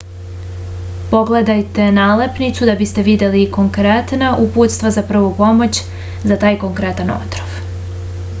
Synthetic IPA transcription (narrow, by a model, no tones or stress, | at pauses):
po̞ɡle̞d̪ajt̪e̞naːle̞pnit̪sud̪abist̪e̞ʋid̪e̞liko̞ŋkɾet̪naʔuput̪st̪ʋazapr̩ʋopo̞mo̞t͡ɕ | zat̪aːjko̞ŋkɾe̞t̪ano̞̰t̪ɾoʋ